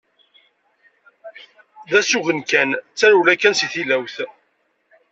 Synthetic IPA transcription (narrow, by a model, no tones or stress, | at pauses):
ðæsuʝənkænt͡sːæɾulækːænsiθilæwθ